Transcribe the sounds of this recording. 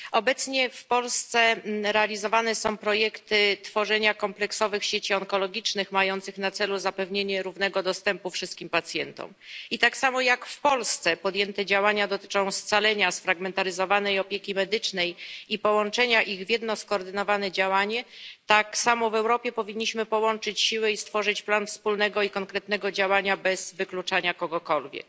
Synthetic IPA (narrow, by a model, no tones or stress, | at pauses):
ɔbɛt̪sɲɛfpɔlst̪sɛɾɛalʲizɔvanɛsɔ̃w̃pɾɔjɛkt̪ɘt̪fɔʐɛɲakɔmplɛksɔvɘxɕet͡ɕiɔŋkɔlɔɡʲit͡ʂnɘxmajɔnt̪sɘxnat̪sɛluzapɛvɲeɲɛɾuvn̪ɛɡɔd̪ɔst̪ɛmpufʂɘst̪̚kʲimpat̪sʲjɛnt̪ɔ̰mit̪aksamɔjakfpɔlst̪sɛpɔd̪jɛnt̪ɛd͡ʑawaɲad̪ɔt̪ɘ̥t͡ʂɔ̃w̃st̪salɛɲasfɾaɡmɛnt̪aɾɘzɔvanɛjɔpʲjekʲimɛd̪ɘt͡ʂnɛjipɔwɔnt͡ʂɛɲaʔiɣvʲjɛd̪nɔskɔːɾd̪ɘnɔvanɛd͡ʑawaɲɛt̪aksamɔvɛwɾɔpʲjɛpɔvʲiɲːiɕmɘpɔwɔnt͡ʂɘt͡ɕɕiwɘist̪fɔʐɘt͡ɕplanfspulnɛɡɔikɔŋkɾɛt̪nɛɡɔd͡ʑawaɲabɛz̥vɘklut͡ʂaɲakɔɡɔkɔlvʲjɛ̰k